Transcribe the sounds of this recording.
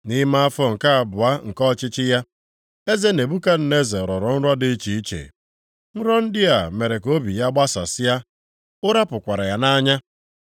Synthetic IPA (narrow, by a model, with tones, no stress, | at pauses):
ni˦ma˦a˦fɔ˦ŋ̩˨ka˦a˨bʊ˨a˦ŋ̩˨kɔ˦t͡ʃɪ˦t͡ʃɪ˦ja˦ | e˦ze˦ne˨bu˦ka˦n̩˨ne˦ze˨ɾɔ˨ɾɔ˨n̩˦ɾa˦dɪ˦t͡ʃi˨i˦t͡ʃḛ˨ | n̩˦ɾɔ˦n̩˦dɪ˦a˨me˨ɾe˨ko˦bi˨ja˦ɡ͡ba˦sa̰˨sɪ˦ja˦ | ʊ˦ɾa˦pʊ˨kʷa˨ɾa˨ja˨na˦ɲa˦